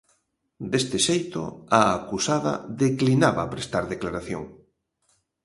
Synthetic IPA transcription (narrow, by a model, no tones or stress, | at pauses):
d̪est̪ɪʃejt̪ʊ̰aːkusaðɐ̰ðeklinaβaːpɾest̪aɾðeklaɾaθjo̰ŋ